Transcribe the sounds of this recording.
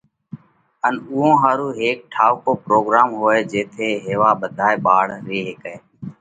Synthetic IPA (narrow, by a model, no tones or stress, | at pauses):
ənʊːɦõːɦaːɾuːɦeːk̚ʈʰaːʋkoːpɾoːɡɾaːmɦoːeːd͡ʒeːt̪ʰeːɦeːʋaːɓəd̪ʱaːeːɓaːɽɾeːɦeːkeː